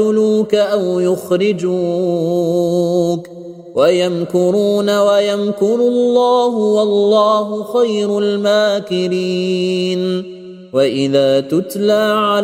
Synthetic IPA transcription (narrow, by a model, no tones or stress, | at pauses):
ʊluːkaʔawjʊxɾɪd͡ʒuː | k | wajamkʊɾuːnawajamkʊɾʊlːɑːɦʊwɑlːɑːɦʊxajɾʊlmaːkɪɾiːn | waʔɪðaːt̪ʊt̪laːʕa